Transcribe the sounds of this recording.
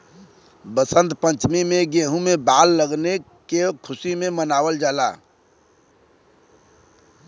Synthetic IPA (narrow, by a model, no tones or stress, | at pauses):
bəsə̃nt̪pə̃ɲt͡ʃmimẽɡeɦũmebaːlːəɡne | kekʰʊsimemənaːwəld͡ʒaːla̰